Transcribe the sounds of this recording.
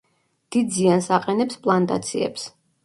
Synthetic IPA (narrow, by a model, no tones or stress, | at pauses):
d̪̥id̪ziansaqʼɛnɛpspʼlˠant̪ʼa̰t̪sʰḭɛ̰ps